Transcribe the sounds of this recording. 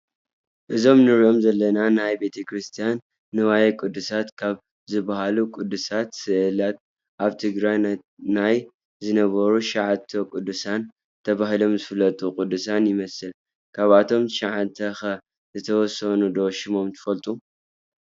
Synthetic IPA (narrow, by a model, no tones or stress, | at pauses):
ʔɨzo̞mnɨɾiʔo̞mzɐlːɐnanajbe̞t̪ʰɐkɾɨst̪ʰijanː | ɨwajɛkʼɨd̪ːusat̪kʰaβ | zɨbaɦalukʼʊd̪ːusat̪sɨʔɨlat̪̚ | ʔaβt̪ʰɨɡɾaj | naj | zɨnɐβɐɾuʃaʕat̪ʰɐkʼud̪ːusan | t̪ʰɐβaɦilo̞mzɨfɨlːɐt̪ʼukʼʊd̪ːusanjɪmɐsɨl | kʰaβat̪ʰo̞mʃaʕant̪ʰɐxɐ | zɨt̪ʰɐwɔsɐnud̪o̞ʃɪmo̞mt̪ʰɨ̥fɐlt̪ʼu